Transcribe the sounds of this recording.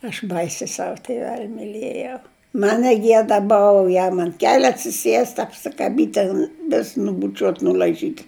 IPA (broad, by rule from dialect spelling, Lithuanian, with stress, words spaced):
ɐʃ ˈbɐɪsʲɪ ˈsɐw tʲɪˈʋʲɛlʲ mʲɪˈlʲeːjɛʊ ˈmɐn nʲɛˈɡʲiɛdɐ ˈboːʋɐ ˈjɛm ɐnt ˈkʲæːlʲʊ ɐtʲsʲɪˈsʲiɛsʲtʲ ɐpʲsʲɪkɐˈbʲiːtʲ tʲɛn ʋʲɪs nʊbʊˈt͡ʃʲuɔtʲ nʊlʲɐɪˈʒʲiːtʲ